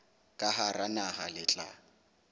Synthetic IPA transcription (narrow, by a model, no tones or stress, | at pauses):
kʼaɦaranahalɪt͡ɬʼa̰